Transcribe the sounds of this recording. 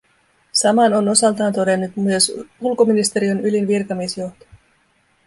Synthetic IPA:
sɑmɑno̞no̞sɑlt̪ɑːnt̪o̞de̞nːut̪myøsulko̞minist̪e̞ɾionylinʋirkɑmisjo̞ht̪o̥

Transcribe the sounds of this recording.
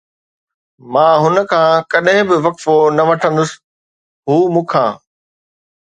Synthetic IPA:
mãːɦʊnə̆kʰãːkɐɗɦɪ̃bɪʋɐkfonɐʋɐʈʰə̃nd̪ʊsɪ̥ | ɦuːmũːkʰãː

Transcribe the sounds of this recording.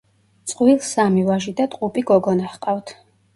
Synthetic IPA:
t̪sʼqʼwilˠsamivaʒid̪at̪ʼqʼupʼiɡɔɡɔnaχqʼavt̪ʰ

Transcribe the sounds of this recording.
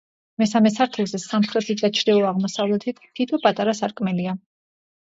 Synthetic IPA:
mɛsamɛsaɾt̪ʰɛzɛsamχɾɛt̪ʰit̪̚d̪at͡ʃʰɾɛɔaʁmɔsavlɛt̪ʰit̪ʰt̪ʰːit̪ʰɔpʼat̪ʼaɾasaɾkʼmɛlia

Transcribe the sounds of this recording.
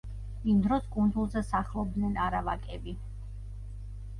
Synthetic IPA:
imd̪ɾɔskʼund̪zulˠzɛsaχlˠɔb̚d̪nɛnaɾavakʼɛbi

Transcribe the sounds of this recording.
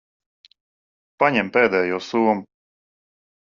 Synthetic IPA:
paɲɛmpɛːd̪ɛjɔːsuːmu

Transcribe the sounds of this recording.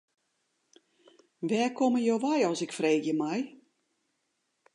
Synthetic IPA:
ʋɛːkʰoməjoʋajɔsɪkfreːkjəmaj

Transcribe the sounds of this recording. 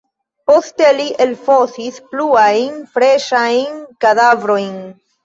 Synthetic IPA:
po̞steliʔelfo̞sispluajnfɾeʃajnkad̪avɾo̞jn

